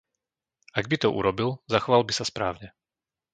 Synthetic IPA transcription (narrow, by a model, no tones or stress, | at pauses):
aɡbit̪ɔʔṵɾɔbilzaxɔʋalbisaspɾaːʊɲɛ